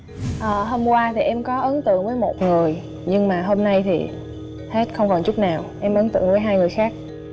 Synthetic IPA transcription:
ʔəː˨˩ɦo˧mkwaː˧t̪ʰi˨˩ʔɛ˧mkɔ˨˦ʔə˨˦nt̪ɨ̰˧˨əŋvəː˨˦jmo˨˩t̚ŋɨ˨˩əj | ɲɨ˧ŋmaː˨˩ɦo˧mna˧jt̪ʰḭ˨˩ | he˦˥t̚xə˧wŋ͡mkɔ˨˩nt͡ɕʊ˦˥k͡p̚naː˨˩wʔɛ˧mʔə˨˦nt̪ɨ̰˧˨əŋvəː˨˦jɦaː˧jŋɨ˨˩jxaː˦˥k̚

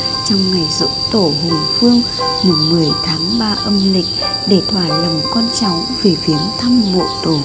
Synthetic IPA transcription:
t͡ɕɔ˧wŋ͡mŋa˨˩jzɨ̰˧˥ŋ͡mt̪o˧˩ɦu˨˩ŋfɨ˧əŋ | mu˨˩nmɨ˨˩əjt̪ʰaː˨˦ŋɓaː˧ʔə˧mlï˨˩k̟̚ | ɗe˧˩t̪ʰwaː˧˩lə˨˩mkwa˧nt͡ɕɔ˨˦wŋ͡mve˨˩fi˨˦ənt̪ʰa˧mːo̰˧˨t̪o˧˩

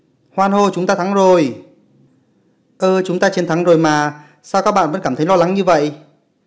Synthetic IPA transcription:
hwaː˧nho˧t͡ɕʊ˨˦ŋ͡mt̪aː˧t̪ʰa˨˦ŋzo˨˩j | ʔəː˧t͡ɕʊ˨˦ŋ͡mt̪aː˧t͡ɕe˧nt̪ʰa˨˦ŋzo˨˩jmaː˨˩ | saː˧wkaː˦˥k̚ɓa̰ː˧˨nvə̰˧˥nkaː˧˩mt̪ʰə˨˦jlɔ˧la˨˦ŋɲɨ˧və̰˧˨jʔ

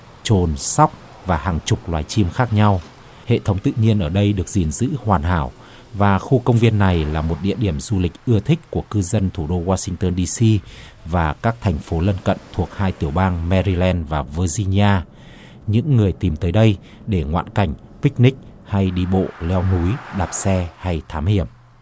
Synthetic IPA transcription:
t͡ɕo˨˩nsa˦˥wk͡p̚ | vaː˨˩haː˨˩ŋt͡ɕʊ˨˩k͡p̚lwaː˨˩jt͡ɕi˧mxaː˦˥k̚ɲa˧w | hḛ˧˨t̪ʰə˨˦wŋ͡mt̪ɨ̰˧˨ɲi˧ənʔəː˧˩ɗə˧jɗɨ˨˩ək̚zi˨˩nzɨ̰˧˥hwaː˨˩nɦaː˧˩w | vaː˨˩xu˧kə˧wŋ͡mvi˧ənːa˨˩jlaː˨˩mo˨˩t̚ɗḭ˧˨əɗi˧˩əmzu˧lï˨˩k̟̚ʔɨ˧ət̪ʰï˦˥k̟̚ʲku˧˩əkɨ˧zə˧nt̪ʰu˧˩ɗo˧waː˧sï˧ŋt̪əː˧nɗi˧si˧ | vaː˨˩kaː˦˥k̚t̪ʰɛ˨˩ŋ̟fo˨˦lə˧nkə̰˧˨nt̪ʰu˨˩ək̚haː˧jt̪i˧˩əwɓaː˧ŋmɛ˧ɾi˧lɛ˧nvaː˨˩vəː˧zi˧ni˧ʔaː˧ | ɲɨ̰˧˥ŋːɨ˨˩əjt̪i˨˩mt̪əː˨˦jɗə˧j | ɗe˧˩ŋwa̰ː˧˨nka˧˩jŋ̟pï˦˥k̟̚nï˦˥k̟̚ha˧jɗi˧ɓo̰˧˨lɛ˧wnu˨˦jɗaː˨˩p̚sɛ˧ha˧jt̪ʰaː˨˦mhi˧˩əm

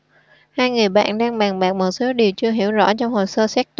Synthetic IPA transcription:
haː˧jŋɨ˨˩əjɓa̰ː˧˨nɗaː˧ŋɓaː˨˩ŋɓaː˨˩k̚mo˨˩t̚so˨˦ɗi˨˩əwt͡ɕɨ˧əɦi˧˩əwzɔ̰˧˥t͡ɕɔ˧wŋ͡mho˨˩səː˧sɛː˦˥k̚t̪

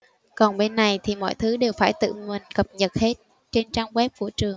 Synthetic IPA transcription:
kɔ˨˩nɓe˧nːa˨˩jt̪ʰi˨˩mɔ̰˧˨jt̪ʰɨ˨˦ɗe˨˩wfaː˧˩jt̪ɨ̰˧˨ŋwi˨˩nkə˨˩p̚ɲə˨˩t̚he˦˥t̚ | t͡ɕe˧nt͡ɕaː˧ŋwɛ˦˥p̚kṵ˧˩ət͡ɕɨ˨˩əŋ

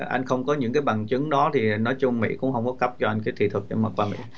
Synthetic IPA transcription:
ʔa̰˧jŋ̟xə˧wŋ͡mkɔ˨˦ɲɨ̰˧˥ŋkaː˨˦jɓa˨˩ŋt͡ɕɨ˨˦ŋɗɔ˨˦t̪ʰi˨˩nɔ˨˦jt͡ɕʊ˧ŋ͡mmḭ˧˥kʊ̰˧˥ŋ͡mhə˧wŋ͡mkɔ˨˦kə˦˥p̚t͡ɕɔ˧ʔa˧j̟kaː˨˦jt̪ʰi˨˧˩t̪ʰɨ˨˩k̚ɗḛ˧˩maː˨˩kwaː˧mḭ˧˥

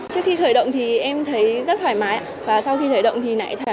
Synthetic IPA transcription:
t͡ɕɨ˦˥əkxi˧xəː˧˩jɗə̰˧˨wŋ͡mt̪ʰi˨˩ʔɛ˧mt̪ʰə˨˦jzə˦˥waː˧˩jmaː˨˦ja˧˩vaː˨˩sa˧wxi˧t̪ʰə˨˦jɗə̰˧˨ŋ͡mt̪ʰi˨˩na̰ː˧˥jt̪ʰaː˧˩

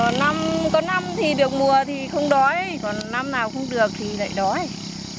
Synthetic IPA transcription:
na˧mkɔ˨˦na˧mt̪ʰi˨˩ɗɨ˨˩ək̚mu˨˩ət̪ʰi˨˩xə˧wŋ͡mɗɔ˨˦jkɔ˨˩nːa˧mnaː˨˩wxə˧wŋ͡mɗɨ˨˩ək̚t̪ʰi˨˩la̰ː˧˨jɗɔ˨˦j

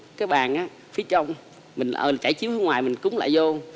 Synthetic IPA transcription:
kaː˨˦jɓaː˨˩nʔaː˨˦ | fi˨˦ət͡ɕə˧wŋ͡m | mï˨˩ŋ̟ʔə̰ː˨˩˨t͡ɕaː˧˩jt͡ɕi˨˦whŋwaː˨˩jmï˨˩ŋ̟kʊ̰˧˥ŋ͡mla̰ː˧˨jzo˧

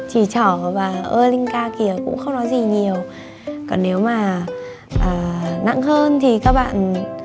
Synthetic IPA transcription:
t͡ɕi˧˩t͡ɕɔ˧˩vaː˨˩ʔəː˧lï˧ŋ̟kaː˧ki˨˩əkʊ̰˧˥ŋ͡mxə˧wŋ͡mnɔ˨˦jzi˨˩ɲi˨˩əw | kɔ˨˩nːe˨˦wmaː˨˩ | ʔaː˨˩na̰˧˨ŋɦəː˧nt̪ʰi˨˩kaː˦˥k̚ɓa̰ː˧˨n

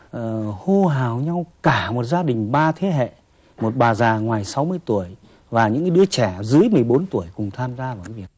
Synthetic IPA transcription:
ʔəː˨˩ho˧ɦaː˨˩wɲa˧wkaː˧˩mo˨˩t̚zaː˧ɗï˨˩ŋ̟ɓaː˧t̪ʰe˨˦ɦḛ˧˨ | mo˨˩t̚ɓaː˨˩zaː˨˩ŋwaː˨˩jsa˨˦wmɨ˧əjt̪u˧˩əj | vaː˨˩ɲɨ̰˧˥ŋkaː˨˦ɗɨ˨˦ət͡ɕɛ˧˩zɨ˨˦əjmɨ˨˩əjɓo˨˦nt̪u˧˩əjkʊ˨˩ŋ͡mt̪ʰaː˧mzaː˧vaː˨˩wkaː˨˦vi˨˩ə˩k̚

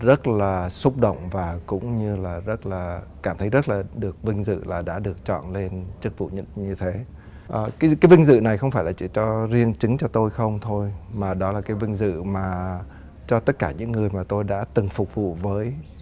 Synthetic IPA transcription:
zə˦˥t̚laː˨˩sʊ˦˥k͡p̚ɗə̰˧˨wŋ͡mvaː˨˩kʊ̰˧˥ŋ͡mɲɨ˧laː˨˩zə˦˥t̚laː˨˩kaː˧˩mt̪ʰə˨˦jzə˦˥t̚laː˨˩ɗɨ˨˩ək̚vï˧ŋ̟zɨ̰˧˨laː˨˩ɗa̰ː˧˥ɗɨ˨˩ək̚t͡ɕɔ̰˧˨nle˧nt͡ɕɨ˦˥k̚vṵ˧˨ɲɨ̰˧˥ŋɲɨ˧t̪ʰe˨˦ | ʔəː˨˩kːkaː˨˦jvï˧ŋ̟zɨ̰˧˨na˨˩jxə˧wŋ͡mfaː˧˩jlaː˨˩t͡ɕi˧˩t͡ɕɔ˧zi˧ənt͡ɕɨ˨˦ŋt͡ɕɔ˧t̪o˧jxə˧wŋ͡mt̪ʰo˧jmaː˨˩ɗɔ˨˦laː˨˩kaː˨˦jvï˧ŋ̟zɨ̰˧˨maː˨˩ | t͡ɕɔ˧t̪ə˦˥t̚kaː˧˩ɲɨ̰˧˥ŋːɨ˨˩əjmaː˨˩t̪o˧jɗa̰ː˧˥t̪ɨ˨˩ŋfʊ˨˩k͡p̚vṵ˧˨vəː˨˦j

